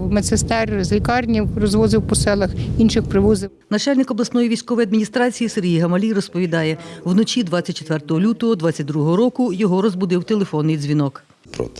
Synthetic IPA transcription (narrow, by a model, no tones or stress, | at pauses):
mesest̪ɛrzʲlʲikɑrnʲiwrɔzʋɔzɪwpɔsɛlˠɐxinʃɪxpɾɪʋɔzɪ | nɐt͡ʃɑlʲnɪkɔblˠɐsnɔjiʋʲijsʲkɔʋɔjɐd̪minʲist̪ɾɑt͡sʲijiseɾɦʲijɦɐmɐlʲirɔspɔʋʲid̪ɑjɛwnɔt͡ʃʲid̪ʋɑt͡sʲːɐtʲt͡ʃːet̪ʋɛrt̪ɔɦɔlʲut̪ɔɦɔd̪ʋɑt͡sʲːɐt̚ʲd̪ɾuɦɔɦɔɾɔkʊjɔɦɔɾɔzbʊd̪ɪwt̪elˠefɔnːɪjzʲʋʲinɔk | pɾɔ̰t̪